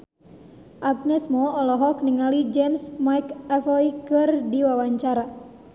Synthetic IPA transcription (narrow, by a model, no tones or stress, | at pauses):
ʔaɡ̚nɛsmɔːlɔɦɔkniŋalid͡ʒɛmsmajkafɔikɨrdiwawaɲt͡ʃaɾa